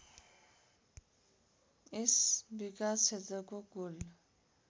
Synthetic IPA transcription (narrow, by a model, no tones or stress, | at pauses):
esbikat͡sʰet̪ʌkoɡul